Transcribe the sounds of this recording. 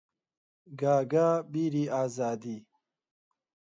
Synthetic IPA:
ɡaːɡabiɾiaːzaːd̪i

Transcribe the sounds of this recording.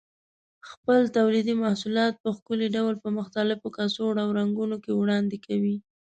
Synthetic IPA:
xpəlt̪awlid̪imahsulɑt̪̚pəxkʊliɖawlpəmʊxt̪alɪfokasoɽawɾaŋɡunokewɽɑnd̪ekʰawi

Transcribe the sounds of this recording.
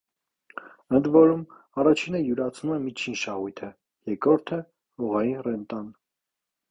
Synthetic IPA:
ənd̪vɔɾum | ɑrɑt͡ʃʰinəjuɾɑt͡sʰnumɛmit͡ʃʰinʃɑʁujt̪ʰə | jɛkɾɔɾt̪ʰə | hɔʁɑjinrɛnt̪ɑn

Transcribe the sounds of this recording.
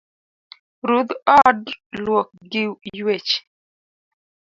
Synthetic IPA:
ɾud̪ɔɖlwok̚ɡɪjwet͡ʃ

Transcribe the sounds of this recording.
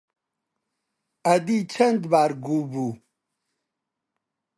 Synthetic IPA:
ɐd̪it͡ɕʰɐnd̪baːɾɡubu

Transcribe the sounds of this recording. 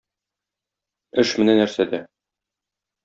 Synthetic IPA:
ɘʃmɘ̆nænːæɾsæd̪æ

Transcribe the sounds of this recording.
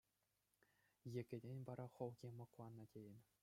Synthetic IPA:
jĕɡʲɘ̆dʲenʲʋɑɾɑχŏlˠɡʲemɤ̆klˠɑnːɤ̆tʲejɘ̆nʲ

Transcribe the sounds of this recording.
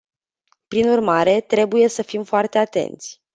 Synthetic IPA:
pɾinurmaɾe̞t̪ɾe̞buje̞səfimfoart̪eat̪e̞̰nt̪sʲ

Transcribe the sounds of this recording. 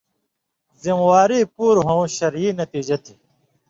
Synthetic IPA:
zimwaːɾipuːɾɦõɕɐɾjiːnɐt̪iːd͡ʑɐt̪ʰi̥

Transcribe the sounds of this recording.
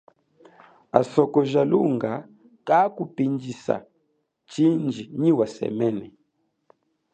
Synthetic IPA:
a̰sɔkɔʒaluŋɡa | kakupind͡ʒisa̰ | t͡ʃind͡ʒiɲiwasɛ̰mɛnɛ

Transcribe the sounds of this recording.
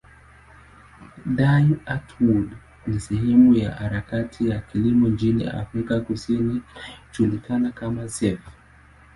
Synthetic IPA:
dajatʰwud | nisɛhɛmuja̰haɾakatʰijakilimɔnt͡ʃinḭa̰fɾikakusiniʃulikanakamasɛf

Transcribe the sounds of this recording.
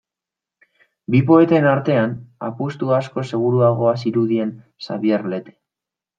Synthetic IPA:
bip̬o̞e̞t̪e̞naɾt̪e̞ana̰pust̪uasko̞se̞ɣ̞uɾuaɣ̞o̞asiɾuðie̞n | sa̰βjeɾle̞t̪e̥

